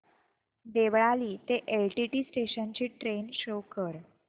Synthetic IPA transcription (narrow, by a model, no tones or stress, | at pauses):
d̪eʋɭaliːt̪eʔelʈiʈiːsʈeɕənt͡ɕiːʈɾenɕokəɾ